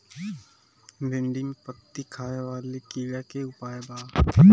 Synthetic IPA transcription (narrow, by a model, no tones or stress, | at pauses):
lɪ̃ɳɖɪŋpət̪ːikʰaːeʋaːlekiːɡakeʊpaːebaː